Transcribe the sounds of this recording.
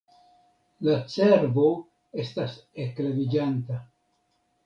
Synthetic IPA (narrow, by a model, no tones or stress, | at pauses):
lat͡se̞ɾbo̞ | e̞stase̞klevid͡ʒanta